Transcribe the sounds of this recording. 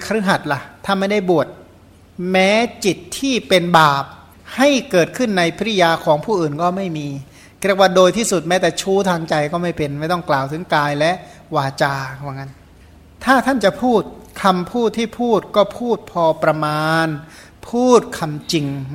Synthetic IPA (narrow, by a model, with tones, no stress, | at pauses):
kʰa˧ɾɯ˦˥˩ɦa˨˩t̪̚la˨˩t̪ʰːa˥˩nma˥˩jda˥˩jbu˨˩ət̪̚ | mɛː˦˥t͡ɕi˨˩t̪ʰːiː˥˩pe˧nbaː˨˩p̚ | ha˥˩jkɤː˨˩t̪̚kʰɯ˥˩nːa˧jpʰi˦˥˧jaː˧kʰɔː˩˦ŋpʰuː˥˩ʔɯː˨˩nkɔː˥˩ma˥˩jmiː˧ | kɾi˥˩kwaː˥˩doː˧jt̪ʰiː˥˩su˨˩t̪̚mɛː˦˥t̪ɛː˨˩t͡ɕʰuː˦˥˩t̪ʰaː˧ŋt͡ɕa˧jkɔː˥˩ma˥˩jpe˧nma˥˩jt̪ɔ˥˩ŋklaː˨˩wt̪ʰɯ˩˦ŋkaː˧jlɛ˦˥ʔwaː˧t͡ɕaː˧wa˨˩ŋa˦˥n | t̪ʰaː˥˩t̪ʰa˥˩nt͡ɕa˨˩ʔpʰuː˥˩t̪̚kʰa˧mpʰuː˥˩t̪ʰːiː˥˩pʰuː˥˩t̪̚kɔː˥˩pʰuː˥˩t̪̚pʰɔː˧pɾa˧maː˧n | pʰuː˥˩t̪̚kʰa˧mt͡ɕi˧ŋ